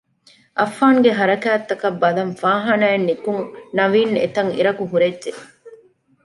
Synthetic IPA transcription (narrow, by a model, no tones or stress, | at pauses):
ʔɐfːaːŋɡeɦɐɾɐkæːt̪ːɐkɐbːɐlɐmfaːɦɐnæenːikuŋnɐʋiːnḛt̪ɐŋḭɾɐkuɦuɾedʒe